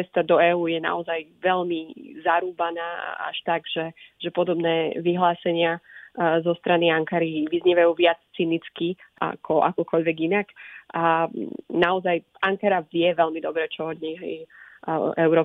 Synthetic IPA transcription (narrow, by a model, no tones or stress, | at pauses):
ɛst̪ad̪ɔɛːuːjɛna̰ɔzajʋɛʎmizaɾuːbanaːa̰ʃt̪aɡʒ̥ɛʒ̥ɛpɔd̪ɔbnɛːʋiɦlaːsɛɲɪazɔst̪ɾaniaŋkaɾiʋizɲɛʋajuːʋɪat͡st͡sinit͡skiʔa̰kʰɔʔa̰kɔkɔʎʋɛɡinaka | naɔzaj | aŋkaɾavɪɛʋɛʎmid̪ɔbɾɛːt͡ʃɔɔd̪ɲɛɦɛ | ʔɛʊɾɔː